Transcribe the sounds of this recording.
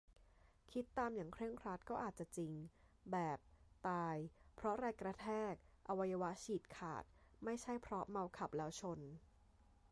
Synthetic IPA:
kʰi˦˥t̪ːaː˧mjaː˨˩ŋkʰɾɯ˥˩əŋkʰɾa˦˥t̪̚kɔː˥˩ʔaː˨˩t̪̚t͡ɕa˨˩t͡ɕi˧ŋ | bɛː˨˩p̚t̪aː˧jpʰɾɔ˦˥ɾaː˧jkɾa˧t̪ʰɛː˥˩k̚ʔa˧wa˧jːa˧wa˦˥t͡ɕʰiː˨˩t̪̚kʰa̰ː˨˩t̪̚ma˥˩jt͡ɕʰa˥˩jpʰɾɔ˦˥ma˧wkʰa˨˩p̚lɛː˦˥wt͡ɕʰo˧n

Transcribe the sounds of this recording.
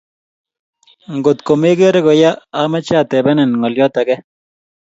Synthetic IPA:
ŋɡo˨t̪ko˨me˦ɡe˦ɾe˦ko˨ja˦a˦mɛ˦t͡ʃa˦˨t̪ɛ˨bɛ˦nɛ˨nŋɔ˨ljɔ˦t̪a˨ɡɛ˦

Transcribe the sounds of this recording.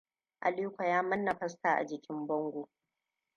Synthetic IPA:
ʔa̰˨liː˦kʷa˨jaː˦mɐ˦nːɐ˨ɸɐ˦staː˨ʔa̰˨d͡ʒɪ˨kʲɪ˦mbɔ˦ŋɡʷo˨

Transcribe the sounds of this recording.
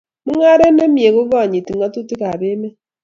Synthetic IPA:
mu˦ŋa˦ɾe˦ne˦mi˨e˨ɣo˦βa˦˨ɲi˨ti˨ŋa˦tu˦ti˦ka˨βe˦me˦

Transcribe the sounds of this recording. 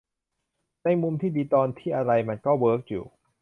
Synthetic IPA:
na˧jmu˧mt̪ʰiː˥˩diː˧t̪ɔː˧nt̪ʰiː˥˩ʔa˧ɾa˧jma˧nkɔː˥˩wɤː˦˥k̚jṵː˨˩

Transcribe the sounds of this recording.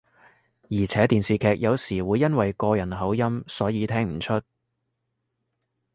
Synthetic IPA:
jiː˨˩t͡sʰɛː˨˥t̪iː˨nsiː˨kʰɛː˨˧k̚jɐ˨˧wsiː˨˩wuː˨˧jːɐ˥nwɐ˨jkɔː˧jɐ˨˩nɦɐ˨˥wjɐ˥msɔː˨˥jiː˨˧t̪ʰɛː˥ŋm̩˨˩t͡ʃʰɵ˥t̚

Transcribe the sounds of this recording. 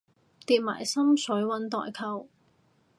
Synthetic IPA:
t̪iː˨˧t̚ma̰ː˨˩jsɐ˥msɵ˨˥ɥwɐ˨˥nt̪ɔ̰ː˧˨jkʰɐ˧w

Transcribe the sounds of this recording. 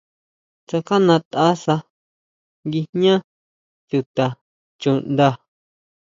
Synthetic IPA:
t͡ʃa˧ka˦nã˧t̪a˦sa˧ | ŋɡi˧ɲã˦ | t͡ʃu˧t̪a˨ | t͡ʃu˨nd̪a˧

